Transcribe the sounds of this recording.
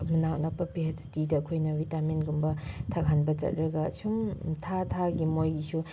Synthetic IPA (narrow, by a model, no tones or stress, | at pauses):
mɯnak̚napɐpiɦɐtstidɐɐkʰojnɐbitamenɡumbɐtʰaɡʱanbɐt͡ʃɐ̰t̚ɾɐɡɐ̰sʰuŋtʰatʰaɡimojsu